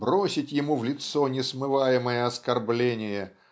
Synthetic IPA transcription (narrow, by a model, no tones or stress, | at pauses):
bɾo̞sʲɪtʲjɪmuvlʲɪt̪sonʲɪsmɨvajɪməjəɐskɐrblʲenʲɪjə